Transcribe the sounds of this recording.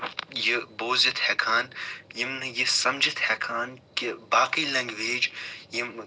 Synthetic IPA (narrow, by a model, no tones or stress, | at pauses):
jiboːzɐt̪hɛkʰaːnjimnɨjisɐmd͡ʒʱɐt̪hɛkʰaːnkibaːkijlɐ̃ŋɡʋeːd͡ʒjim